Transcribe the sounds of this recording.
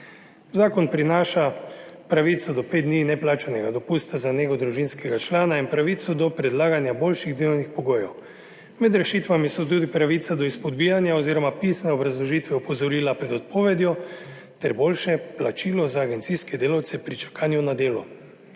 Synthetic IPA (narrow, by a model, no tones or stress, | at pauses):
zaːkɔnpɾinaːʃapɾaʋit̪sɔd̪ɔped̪d̪ninɛplaːt͡ʃɛnɛɡad̪ɔpust̪azaneːɡɔd̪ɾuʒinskɛɡat͡ʃlaːnainpɾaʋit̪sɔd̪ɔpɾɛd̪laːɡanjaboːlʃiɣd̪eːlɔwnixpɔɡoːjɛw | mɛd̪ɾɛʃiːt̪ʋamisɔt̪uːd̪ipɾaʋit̪sad̪ɔispɔd̪biːjanjaoziːɾɔmapisnɛɔbɾazlɔʒiːt̪ʋɛɔpɔzɔɾilapɾɛd̪ɔt̪̚poːʋɛd̪jɔ | t̪ɛɾboːlʃɛplat͡ʃiːlɔzaːɡɛnt̪sijskɛd̪eːlawt̪sɛpɾit͡ʃḁkaːnjunad̪eːlɔ